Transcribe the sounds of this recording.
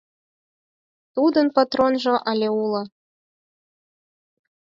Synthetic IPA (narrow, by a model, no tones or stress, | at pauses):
t̪ud̪ənpat̪ronʒɤ̆ʔɑlʲeulɤ̆